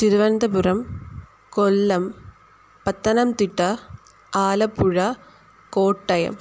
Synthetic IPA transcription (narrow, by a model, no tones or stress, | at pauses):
tɪɾɯʋɐɾnd̪ɐpɯɾɐm | kɔlːɐm | pɐt̪ːɐnɐmt̪ɪʈːɐ | aːlɐpːɯɻɐ | koːʈːɐjɐ̰m